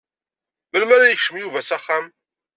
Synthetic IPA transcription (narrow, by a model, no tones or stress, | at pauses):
məlmæɾajəçʃəmjuvæsaχːam